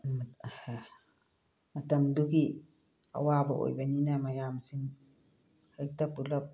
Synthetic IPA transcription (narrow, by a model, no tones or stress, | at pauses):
mat̪amd̪uɡi | a̰wabaʔo̰jbaninamajamsiŋ | hak̚t̪apulap̚